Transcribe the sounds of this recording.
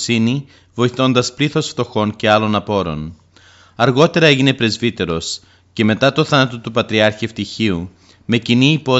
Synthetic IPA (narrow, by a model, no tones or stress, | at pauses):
sini | vo̞iθo̞nd̪ɐspliθo̞sft̪o̞xo̞nce̞ɐlo̞nɐpo̞ɾo̞̰n | ɐɾɣo̞t̪e̞ɾɐe̞ʝine̞pɾe̞zvit̪e̞ɾo̞s | ce̞me̞t̪ɐt̪oθɐnɐt̪ot̪upɐt̪ɾiɐɾçiɐft̪içiu | me̞ciniːpo̞